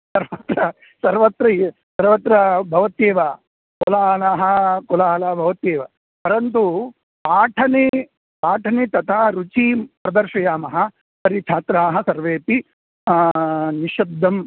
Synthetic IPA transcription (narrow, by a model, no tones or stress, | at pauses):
sɐɾʋɐt̪ɾɐ | sɐɾʋɐt̪ɾɐsɐɾʋɐt̪ɾɐbʱɐʋɐt̪eːʋa | kɔlaːlaːɦɐ̆kɔlaːlaːbʱɐʋɐt̪eːʋɐ | pɐɾɐnt̪̬u | paːʈʰɐne | paːʈʰɐnet̪ɐt̪ʰaːɾut͡ʃipɾɐd̪ɐɾʃɐjaːmɐɦɐ̆ | sɐɾit͡ʃʰaːt̪ɾaːɦɐ̆sɐɾʋeːpi | niʃɐd̪ʱːɐm